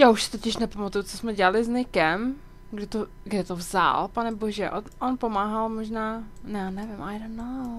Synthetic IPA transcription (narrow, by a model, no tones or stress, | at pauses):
jaːuʃsɪ̥t̪o̞cɪʃnɛpamat̪ujut͡sosmɛɟɛalɪznɪkɛm | ɡdɛt̪o | ɡdɛt̪ovza̰lpanɛboʒɛʔoʔonpo̞maːɦalmoʒnaːnɛnɛvɪmʔajɾonːow